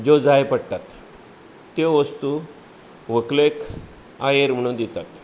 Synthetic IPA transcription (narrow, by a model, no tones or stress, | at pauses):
d͡ʑod͡zajpəɽt̪at̪ː | eʋəst̪u | ʋəklek | ajeɾm̤əɽ̃ũd̪it̪at̪